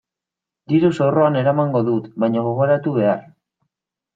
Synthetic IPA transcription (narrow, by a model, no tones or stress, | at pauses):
d̪iɾuso̞ro̞ane̞ɾamaŋɡo̞ðut̪βajɲaɣ̞o̞ɣ̞o̞ɾat̪uβ̞e̞ar